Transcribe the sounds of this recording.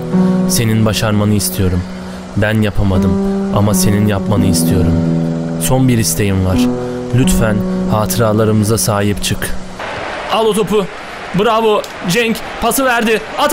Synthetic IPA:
se̞ninbaʃaɾmanɯist̪ʰijo̞ɾum | bænjapʰamad̪ɯmamase̞ninjapmanɯist̪ʰijo̞ɾumso̞nbiɾist̪ʰe̞jimvaɾ̥lʲyt̪fænhaːt̪ʰɯɾaːlˠaɾɯmɯzasaːɦipt͡ʃʰɯk | alˠot̪ʰo̞pʊ | bɯɾabo | d͡ʒɛŋc | pʰasɯvæɾd̪ɪ | at̪

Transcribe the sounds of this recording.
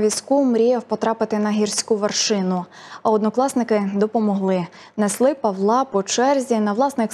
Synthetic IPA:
ʋʲisʲkumɾʲijɛwpɔt̪ɾɑpɪt̪ɪnɐɦʲirsʲkuʋerʃɪnʊɐɔd̪nɔklˠɑsnɪkɪd̪ɔpɔmɔɦlˠɪ | nɛslˠɪpɐʋlˠɑpɔt͡ʃɛrzʲinɐʋlˠɑsnɪk

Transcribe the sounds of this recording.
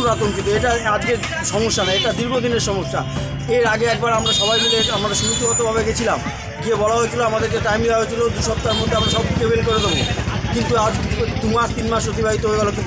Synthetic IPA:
ɾat̪onkit̪oeʈaad͡ʑkeɾ | ʃɔmoʃːanaeʈad̪iɾbʱod̪ʱineɾʃɔmoʃːa̰ | eɾaɡeɛk̚baɾamɾaʃɔbajɡ̪ileamad̪eɾʃumut̪oɔt̪obʱaβeɡet͡ɕʰilam | ɡiebɔlaɦoet͡ɕʰiloamad̪eɾkeʈajmɖiaɦoet͡ɕʰilod̪uʃɔp̚t̪aɾmod̪ʱːeamɾaʃɔb̚ʈikebenkoɾed̪ebokint̪uad͡ʑt̪umaʃt̪inmaʃpot̪̬ibaɦit̪obeɡalokint̪

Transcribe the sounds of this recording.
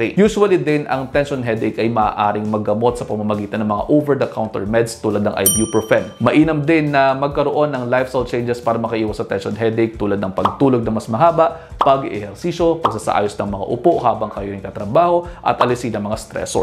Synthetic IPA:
ejuːsʊɐlid̪ɪnʔɐŋt̪ɛnʃonɦɛd̪ɛkʔɐjmɐaːʔaːɾɪŋmɐɡɐmo̞t̪̚sɐpɐɡmamɐɡiːt̪ɐnɐŋmɐŋa̰ʔowvɛɹd̪ɐkawnt̪ɛ̰ɹmɛd̪st̪uːlɐd̪nɐŋʔɐ̰jbjupɹofɛnmɐʔiːnɐmd̪ɪnːɐmɐɡ̚kɐɾoʔo̞nːɐŋlajfsalt͡ʃejnd͡ʒɛspaːɾɐmɐkɐʔiːwɐsɐt̪ɛnʃonɦɛd̪ek̚t̪uːlɐd̪nɐŋpɐɡ̚t̪uːloɡ̚nɐŋmɐsmɐɦaːbɐʔpɐɡ̰ʔɛhɛɾsiːso̞pɐɡsasɐ̰ʔa̰ːjosnɐŋmɐŋa̰ʔʊpoʔhaːbɐŋkɐjoɾɪŋkɐt̪ɾɐbaːho̞ʔɐ̰t̪ʔɐlɪsid̪ɐŋmɐŋast̪ɾɛ̰so̰

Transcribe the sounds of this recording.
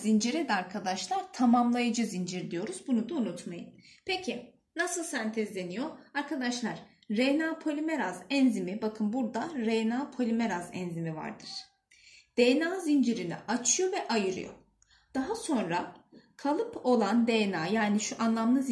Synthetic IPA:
zind͡ʒiɾɛd̪ɛaɾkʰad̪aʃlˠaɾ̥t̪ʰamamlˠajad͡ʒɯzind͡ʒiɾd̪ijo̞ɾuz̥bunud̪aunut̪majɯn | pʰe̞cʰi | nasɯlˠsænt̪ʰɛzd̪e̞nijo̞aɾkad̪aʃlˠaɾ̥ː | enaːpʰolʲimeɾazɛnzimibakʰɯnbuɾd̪aɾɛjnaːpʰolʲimeɾazɛ̰nzimiva̰ɾd̪ɯɾ̥ | d̪̥ejnaːzind͡ʒiɾinḭat͡ʃʰɯjo̞vɛʔajɯɾɯ̰jo̰ | d̪̥aɦaso̞nɾakʰalˠɯpʰo̞lˠand̪ejnaːjaːniʃuʔanlˠamlˠɯz

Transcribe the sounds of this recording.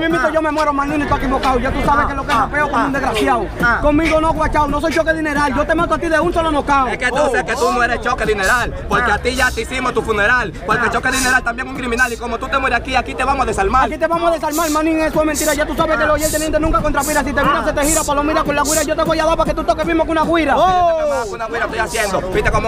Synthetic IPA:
mjembit̪oʝomemweɾomãnĩnet̪oekimokawʝat̪usaβekelokesapeokomund̪eɣɾasjawkoŋmĩɣonoɣwat͡ʃawnos̬ojt͡ʃokeðineɾald͡ʒot̪emãnt̪oat̪iðeunsolonokaweket̪oseket̪unoeɾest͡ʃokeðineɾalpoɾkeat̪iʝat̪isimot̪ufuneɾal | poɾket͡ʃokeðineɾalt̪ambjeŋuŋkɾimĩnalikomot̪ut̪emweɾakiakit̪eβamoaðesalmaalkit̪eβamoaðesalmalmanĩŋesfwemẽnt̪iɾaʝat̪usaβekelojelt̪eljet̪enũŋkakont̪ɾapiɾas̬it̪eβiðaset̪ehiɾapalomiðakonlaɣwiɾaiʝot̪eβojaðapaket̪ut̪okeβizmokunaɣwiɾaoakunaɣwiɾat̪ojasjend̪obit̪ekomo

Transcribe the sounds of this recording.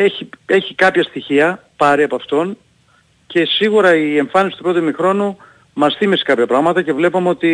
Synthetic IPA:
eçie̞çikɐpçɐst̪içiɐpɐɾiɐpɐft̪o̞n | ce̞siɣuɾɐie̞ɱfɐnisi̥t̪upɾo̞t̪imixɾo̞nu | mɐsθimese̥kɐpçɐpɾɐɣmɐt̪ɐce̞vle̞pomeo̞t̪i

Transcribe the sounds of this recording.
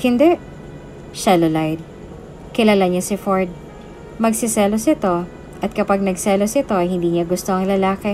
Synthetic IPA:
hɪnd̪ɛʔ | ʃɛlolajd̪̚ | kɪlalaɲasɪfoɹd̪̚ | mɐɡsɪsɛːlosʔɪt̪o̞ | ʔɐt̪̚kɐpaɡ̚nɐɡsɛlosʔɪt̪o̞ʔɐjhɪnd̪iːɲɐɡʊst̪oʔɐŋlɐlaːkɪ

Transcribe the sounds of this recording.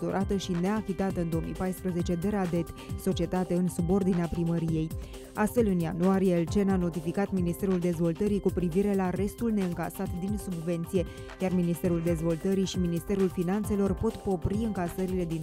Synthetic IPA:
o̰ɾʔat̪əʃine̞afit̪at̪əɨnd̪oomḭjpajspɾəze̞t͡ʃe̞d̪e̞ɾad̪e̞t̪so̞t͡ʃie̞t̪at̪e̞ɨnsubo̞rd̪ineapɾiməɾije̞j | ast̪fe̞lɨnja̰nuaɾijelt͡ʃe̞nano̞t̪ifikat̪minist̪e̞ɾuld̪e̞zvo̞lt̪əɾikupɾiviɾe̞lare̞st̪ulne̞ɨŋka̰sat̪d̪insubve̞nt̪sije̞ | jarminist̪e̞ɾuld̪e̞zvo̞lt̪əɾijʃiminist̪e̞ɾulfinant̪se̞lo̞rpo̞t̪po̞pɾiɨŋkasəɾile̞d̪in

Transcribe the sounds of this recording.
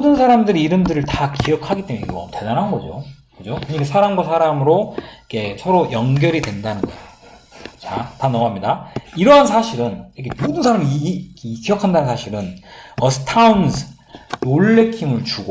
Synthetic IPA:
odɯnsʰaɾamdɯɾiːɾɯmdɯɾɯɭtakijʌkʰaɡit͈e̞muneɡʌ̰mtwe̞danɦannɡʌd͡ʑo̰kɯd͡ʑokɯɲikʰesʰaɾaŋɡwasʰaɾamɯɾoikʰe̞sʰʌɾojʌŋɡjʌɾidwe̞ndanɯnɡʌ̰o | t͡ɕatanʌɡɦamɲidaiɾʌɦansʰaɕʰiɾɯnʌkʰemodɯnsʰaɾamikkijʌkʰandanɯnsʰaɕʰiɾɯnʌsʰtʰaunsʰɯ | noɭːe̞kʰimɯɭt͡ɕuɡo

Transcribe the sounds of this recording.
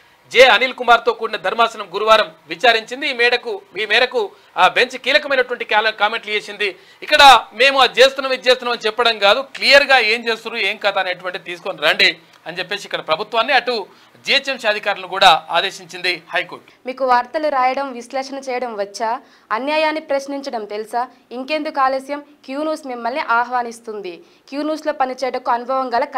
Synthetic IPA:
d͡ʒeːɐniːlkumaːɾt̪o̞ːkuːɽinɐd̪ʱɐɾmaːsɐnɐmɡuɾuʋaːɾɐmʋit͡ʃaːɾiɲt͡ʃind̪iːmɛːɽɐkumiːmɛːɾɐku | be̞ɲt͡ʃkiːlɐkɐmɐjnɐʈuʋɐɳʈikaːlɐkaːme̞ɳʈlieːsind̪i | ikːɐɽɐme̞ːmut͡ʃe̞ːst̪unːɐːmit͡ʃeːst̪unːamɐnit͡ʃɛpːɐɽɐmɡaːd̪uklijɐɾɡaːeːɲt͡ʃeːst̪uɾueːŋkaːt̪aːneːʈ̬uʋɐɳʈit̪iːsu̥koniɾɐɳɖe | ɐnit͡ʃep̬ːeːsikːɐɽɐpɾɐbʱut̪ʋaːnːiɐʈu | d͡ʒijɐt͡ʃemsɐd̪ʱikaːɾlɐnukuːɽaːa̰ːd̪e̞ːʃiɲt͡ʃind̪ihɐjkoːʈmiːkuʋaɾt̪ɐluɾaːjɐɽɐmʋiʃlɛːʂɐnɐt͡ʃɛːjɐɽɐmʋɐt͡ʃːaː | ɐnjaːjaːnːipɾɐʃniɲt͡ʃɐɽɐmt̪e̞lusa | iŋkend̪ukaːlɐsjɐmkjuːnuːsmimːɐlniʔaːɦʋaːnist̪und̪i | kjuːnuːsloːpɐnit͡ʃɛːjɐɽɐkuɐnubʱɐʋɐŋɡɐlɐkː

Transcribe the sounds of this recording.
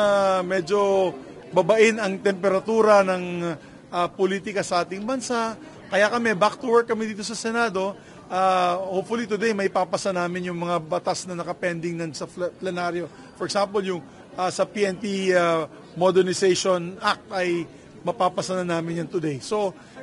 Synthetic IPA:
amɛd͡ʒo̞ | bɐbɐʔɪnɐŋt̪ɛmpɛɾɐt̪uːɾɐnɐŋ | ʔapoliːt̪ɪkɐsɐʔaːt̪ɪŋbɐnsa | kɐjakɐmɛbak̚t̪ʊwɛɹk̚ːɐmɛd̪iːt̪o̞s̬ɐsɛnaːd̪o̞ | ʔahowp̚fʊlit̪ʊd̪ɛjmɐɪpaːpɐsɐnaːmɪnjʊŋmɐŋabɐt̪asnɐnɐkɐpɛnd̪ɪŋnɐnsɐplɛnaɾjo̞ | fɔɹɛksampoljʊŋ | ʔasɐpiʔɛnpia | mod̪ɛɹnɪsɛjʃonʔak̚t̪ɐj | mɐpaːpɐsɐnɐnaːmɪnjɐŋt̪ʊd̪ejso̞

